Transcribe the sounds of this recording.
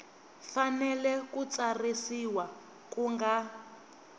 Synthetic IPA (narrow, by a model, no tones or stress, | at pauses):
fanɛlɛkut͡sarisiwa | kuŋɡa